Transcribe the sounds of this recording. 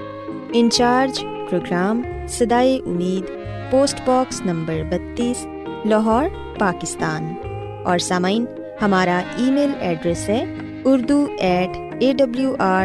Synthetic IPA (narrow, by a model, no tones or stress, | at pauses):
ɪ̃nt͡ʃaːɾd͡ʒ | pɾoːɡɾaːm | sɐd̪aːeʔʊ̰miːd̪ | poːsʈbɔːksnɐ̃mbəɾbɐt̪ːiːs | lɔɦɔːɾ | paːkɪst̪aːn | ɔːɾsaːmaɪn | hɐmaːɾaiːmeːlɛːɖɾɛsɦɛː | ʊɾd̪uɛːʈʰ | eːɖɐbljuːʔaː